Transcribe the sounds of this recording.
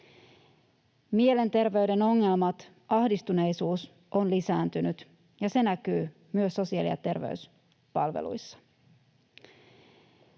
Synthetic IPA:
mie̞le̞nt̪e̞rʋe̞yde̞no̞ŋːe̞lmɑt̪ | ʔɑhdist̪une̞jsuːs | ʔo̞nlisæːnt̪ynyt̪ | jɑse̞nækyː | myøsːo̞siɑ̰lḭɑ̰t̪e̞rʋḛys | pɑlʋḛlṵjsːɑ̥

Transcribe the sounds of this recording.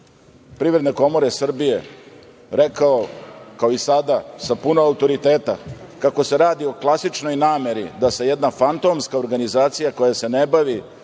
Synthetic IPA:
pɾiːʋɾe̞d̪neko̞mo̞ɾesr̩bije̞ | ɾekaokao̞isad̪asapunoaut̪o̞ɾit̪e̞ːt̪akako̞se̞ɾaːd̪io̞klˠasit͡ʃno̞jnaːme̞ɾid̪ase̞jɛd̪nafant̪o̞mskaoɾɡanizaːt̪sijako̞jase̞nebaʋi

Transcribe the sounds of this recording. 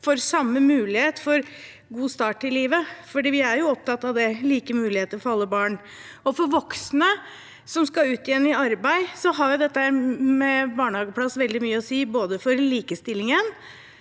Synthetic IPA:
fɔɾsɑmːəmʉːlɪheːt̪fɔɾ | ɡuːst̪ɑːʈɪliːʋəfɔɖiːʋɪæɾjʊɔp̚t̪ʰɑt̪ːɑʋd̪ɛliːkəmʉːlɪheːt̪əɾfɔɾɑlːəbɑːɳ | ɔfɔɾʋɔksnə | sɔmskɑʉːt̪ɪjɛnːɪɑɾbæɪsɔɦɑɾjʊd̪ɛt̪ːəhæːɾmɛbɑːɳəhɑːɡəpʰlɑsʋɛld̪ɪmyːəɔsiːboːd̪əfɔɾliːkəst̪ɪlːɪŋən

